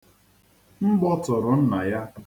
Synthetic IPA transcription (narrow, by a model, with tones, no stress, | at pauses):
m̩˦ɡ͡bɔ˦tʊ˨ɾʊ˨n̩˦na˨ja˦